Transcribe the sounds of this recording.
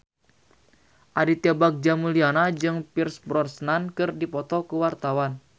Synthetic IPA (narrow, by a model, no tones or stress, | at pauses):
ʔaɾit̪iabak̚d͡ʒamulianad͡ʒɨŋpirsbɾɔrsnankɨrdipɔt̪ɔkuwart̪awan